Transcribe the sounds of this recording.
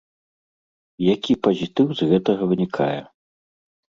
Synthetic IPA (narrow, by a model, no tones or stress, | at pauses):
jakʲipɐzʲit̪ɨwzɣɛt̪ɐɣɐvɨnʲikʰa̰jɛ̰